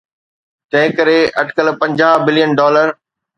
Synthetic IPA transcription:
t̪ɐ̃ɦɪ̃kɐɾeɐʈkəlpɐ̃ɲd͡ʑaːɦbɪljənɖɔːləɾ

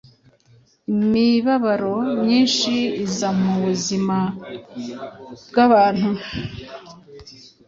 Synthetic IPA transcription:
imiβaβaɾo̞mɲiːnʃiːzamuβuzima | bɡaβaːn̥hu

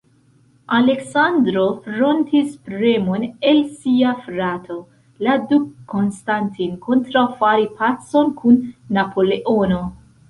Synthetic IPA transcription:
ale̞ksandɾo̞fɾontispɾemone̞lsiafɾatʰo | ladukʰːo̞nstantinkʰo̞ntɾawfaɾipʰaso̞nkʰunːapʰo̞leʔono̞

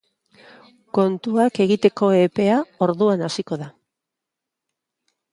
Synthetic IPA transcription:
ko̞nt̪uake̞ɣ̞it̪e̞ko̞e̞pe̞ao̞ɾðuanasiko̞ða

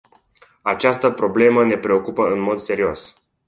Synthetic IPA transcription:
at͡ʃast̪əpɾo̞ble̞məne̞pɾe̞o̞kupəɨnmo̞d̪se̞ɾio̞s

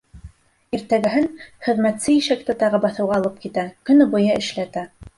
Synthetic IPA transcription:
iɾt̪æɡɘɦɘnχɘ̆ðmæt̪sɘjɘʃæk̚t̪ɘt̪ɑʁɤbɑθɤ̆wʁɑlˠɤp̚kit̪ækɵ̆nɘbɤ̆jɤʔɘ̆ʃlæt̪æ

